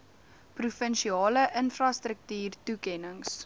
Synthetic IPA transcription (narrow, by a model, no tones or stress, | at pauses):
prufənʃiɑːləʔənfrɐstrək̚tyːrtukɛnəŋs